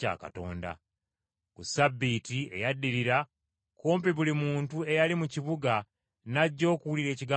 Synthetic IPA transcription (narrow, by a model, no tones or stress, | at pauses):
a̰ːka̰to̞̰ːnda̰ | kusabːitie̞̰jadːiɾiɾa | ko̞ːmpiβulimuːntue̞jalimuciβuɡa | naɟːo̞ːkuwuliɾe̞ːciɡa